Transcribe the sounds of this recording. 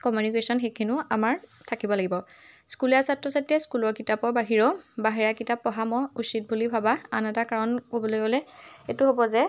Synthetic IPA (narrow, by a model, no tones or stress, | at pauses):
kɔmjunikesɔnxekʰinʊamaɹtʰakibɔlaɡibɔ | skuljasatɹɔsatiɛskulɔɹkitapɔɹbaɦiɹɔbaɦiɹakitapːɔɦamɔusit̚bʱulibʱabaanɛtakaɹɔnkobɔlojɡolɛetuɦobɔzɛ